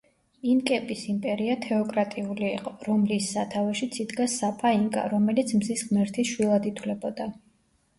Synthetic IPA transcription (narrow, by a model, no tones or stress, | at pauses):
inkʼɛpʼisimpʼɛɾiat̪ʰɛɔkʼɾat̪ʼiuliːqʼɔɾɔmlisːat̪ʰavɛʃit̪sʰid̪ɡasapʼaiŋkʼa̰ɾɔmɛlit̪sʰmzisχmɛɾt̪ʰiʃwilˠad̪it̪ʰwlɛbɔd̪a